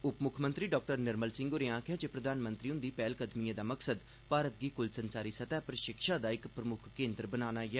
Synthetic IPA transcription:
ʊpmʊkʰmə̃nt̪ɾiːɖɔːk̚ʈəɾnɪɾməlsɪ̃ŋɡʊɾeãːkʰãːd͡ʒeːpɾəd̪aːnmə̃nt̪ɾiːʊ̃nd̪iːpɛːlkəd̪mijẽːd̪aːməksəd̪ | paːɾət̪̚ɡiːkʊlsənsaːɾiːsət̪ɛːpɾəʃɪkʃaːd̪aːɪkpɾəmʊkʰːẽːnd̪ɾbənaːnaːɛː

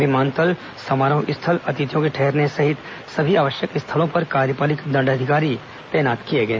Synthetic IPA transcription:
bɪmaːnt̪əl | sɐmaːɾə̃wʔɪst̪ʰəlɐt̪ɪt̪jõkeʈʰɛɦɛɾnesɐɦɪt̪ | sɐbʱiaːʋəʃjəkɪst̪ʰəlõpɐɾkaːɾjəpaːlɪkd̪ɐ̃ɳɖɐd̪ʱɪkaːɾi | t̪ɛːnaːt̪kieɡɐeː

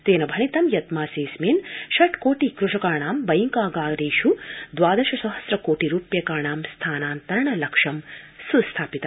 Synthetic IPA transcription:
t̪eːnɐbʱɐɳit̪ɐmjɐt̪maːseːsmeːnʃɐʈkoːʈikɾuʂɐkaːɳaːmbɐjŋkaːɡaːɡɾeːʃud̪ʋaːd̪ɐʃusɐɦɐsɾɐkoːʈiɾuːpjɐkaːɳaːmst̪ʰaːnaːnt̪ɐɾɐɳɐlɐkʂɐmsust̪ʰaːpit̪ɐ

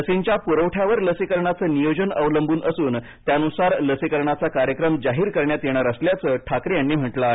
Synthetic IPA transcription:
əsiɲt͡ɕjapuɾəʋʈʰjaʋəɾləsikəɾɳat͡səːnijod͡ʑənəʋləmbʱuːnʔəsuːn | t̪janusaɾləsikəɾɳat͡sakaɾjəkɾəmd͡zaɦiːɾkəɾɳjat̪jeɽ̃aɾəsljat͡səːʈʰakɾijanːiːm̤əʈla

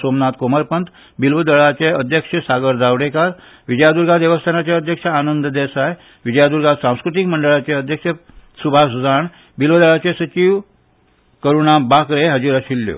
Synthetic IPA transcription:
somnat̪koməɾpənt̪ | bilʋəd̪əɭat͡ɕeəd̪ʱjəkʂəsaɡəɾd̪aʋɽekaɾ | ʋid͡ʑəjad̪uɾɡat̪ʋjəʋəst̪ʰanat͡ɕeəd̪ʱjəkʂəanənd̪əd̪esaj | ʋid͡ʑəjad̪uɾɡat̪sãw̃skɾut̪̬ikməɳɖəɭat͡ɕeəd̪ʱjəkʂəsubʱasd͡zaɳ | bilʋəd̪əɭat͡ɕesət͡ɕiʋ | kəɾunabakɾeɦəd͡ʑiɾaɕilːo̰

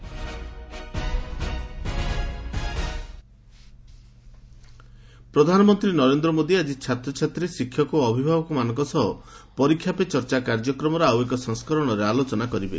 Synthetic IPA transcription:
pɾɔd̪ʱanɔmɔnt̪ɾinɔɾend̪ɾɔmod̪iad͡ʒit͡ʃʰat̪ɾɔt͡ʃʰat̪ɾesikʰjɔkuɔbʱibʱabɔkumanɔ̃ŋkɔsɔɦɔ̰pɔɾikʰːjapet͡ʃɔɾt͡ʃakaɾd͡ʒɔkɾɔmɔɾɔawekɔsɔŋskɔɾɔɽ̃ɔɾealot͡ʃɔnakɔɾibḛ

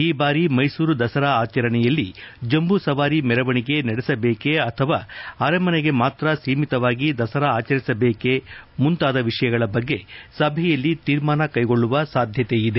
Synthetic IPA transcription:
iːbaːɾimɐjsuːɾud̪ɐsɐɾaaːt͡ʃɐɾɐɳɛjɐlːid͡ʒɐmbusɐʋaːɾimɛɾɐʋɐɳiɡe̞nɐɽesɐbeːke̞ɐt̪ʰɐʋaːɐɾemɐneɡe̞maːt̪ɾɐsiːmit̪ɐʋaːɡid̪ɐsɐɾaaːt͡ʃɐɾisɐbeːke̞munt̪aːd̪ɐʋiʂɐjɐɡɐɭɐbɐɡːe̞sɐbʱɛjɐlːit̪iːɾmaːnɐkɐjɡo̞ɭːuʋɐsaːd̪ʱjɐt̪e̞id̪e̞

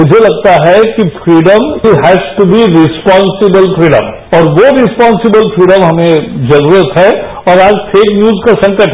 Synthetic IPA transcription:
mʊd͡ʒʱelɐɡ̚t̪aɦɛkifɾiːɖəmɦɛzʈubiɾɪspɔ̃ːnsɪbəlfɾiːɖə̰̃m | ɔːɾʋoɾɪspɔ̃ːnsɪbəlfɾiːɖə̃mɦɐmẽd͡ʒɐɾuːɾət̪ɦɛ | ɔːɾaːd͡ʒfʰeːknjuːzkasɐ̃ŋkəʈ

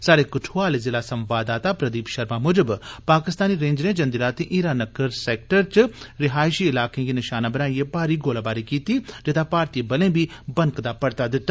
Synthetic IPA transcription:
saːɾeːkʊʈʰuaːleːzɪlaːsə̃mʋaːd̪aːt̪aːpɾəd̪iːpʃəɾmaːmʊd͡ʒɪbpaːkɪst̪aːniːɾẽːɲd͡ʒnẽːd͡ʒənd̪ɪɾaːt̪ĩʔiːɾaːnəkəɾsɛːk̚ʈəɾt͡ʃɾɪɦaːɪʃiːɪlaːkẽːɡiːnɪʃaːnaːbənaːiebaːɾiːɡoːlaːbaːɾiːkiːt̪iːd͡ʒɪd̪aːpaːɾt̪iːbəlẽːbiːbəŋkd̪aːpəɽt̪aːd̪ɪt̪ːaː

